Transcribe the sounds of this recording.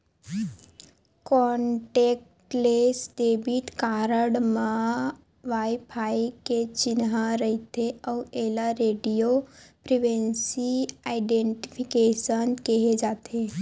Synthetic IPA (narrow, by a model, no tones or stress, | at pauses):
kɔɳʈek̚ʈlesɖebiʈkaɾəɽmã | ʋajpʰaiket͡ʃinɦãɾəɦit̪ʰeəelaɾeːɖijopɾiʋensiaiɖeɳʈi̥pʰikeʃənkeɦed͡ʒaːt̪ʰe